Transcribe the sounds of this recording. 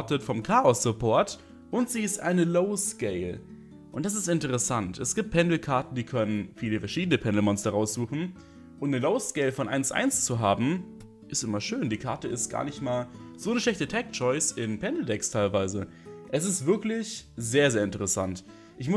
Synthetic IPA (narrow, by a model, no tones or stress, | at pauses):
tətfɔmkʰaːɔsːʊpʰɔɐt | ʔʊntz̥iːɪstʔa̰ɪnəloʊskeɪl | ʔʊntd̥as̬ɪstɪntəʁəsantɛsɡ̥iːp̚t̚pʰɛndl̩kʰaɐtn̩diːkʰœnənfiːləfɛɐʃiːdənəpʰɛndl̩mɔnsd̥aʁaʊsz̥uːxn̩ | ʔʊntnəloʊskeɪlfɔnʔa̰ɪnsʔa̰ɪnst͡suɦaːbm̩ | ʔɪstʔɪmɐʃøːndiːkʰaɐtəɪstɡ̥a̰ːɐnɪçtmaːlz̥oːnəʃlɛçtətʰɛk̚t͡ʃɔʏsɪnpʰɛndl̩dɛkstʰaɪlvaɪzə | ʔɛs̬ɪstv̥ɪɐklɪçzeːɐzeːɐɪntəʁ̞əsa̰nt | ʔɪçmʊ